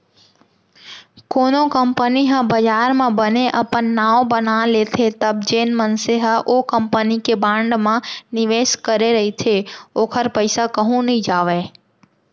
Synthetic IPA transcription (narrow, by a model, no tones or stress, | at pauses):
koːnokəmpəniɦə̃bəd͡ʒaːɾmãbəneʔəpənːaːõbənalet̪ʰet̪əbd͡ʒeːnmənseɦəʔoːkəmpənikebãːɳɖmãnɪʋeːskəɾeɾəɦit̪ʰeoːkʰəɾpəɪsakəɦũnəɦĩd͡ʒaːʋe